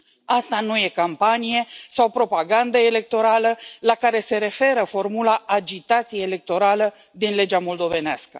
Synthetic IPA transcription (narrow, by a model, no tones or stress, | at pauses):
ast̪anuje̞kampanije̞sawpɾo̞paɡand̪əele̞k̚t̪o̞ɾaləlakaɾe̞se̞ɾe̞fe̞ɾəfo̞rmulaːd͡ʒit̪at̪sijeːle̞k̚t̪o̞ɾalə | d̪inle̞d͡ʒamo̞ld̪o̞ve̞nea̰skə̥